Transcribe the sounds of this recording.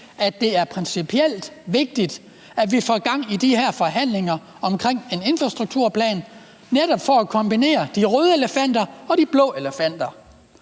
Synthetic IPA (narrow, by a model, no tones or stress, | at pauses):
ʔæ̥d̥e̝æɐpʰʁɛnsipʰiel̰d̥ʋe̝ɡ̥̚d̥id̥ | æʋifɒɡ̥ɑ̈ŋ̰id̥iheɐ̰fɒ̽ɦæn̰le̝ŋɐ | ɒ̽mkʰʁeŋ̰e̝ne̝nfʁɑsd̥ʁuɡ̥̚t͡sʰuɐ̰pʰlɛ̰ːn | neɾɒb̥fɒækʰɒ̽mb̥ine̝̰ːɐd̥iʁøːð̞ˠəe̝ləfæn̰d̥ɐɒ̽ɾ̥ib̥lɔ̰̽ːe̝ləfæn̰d̥ɐ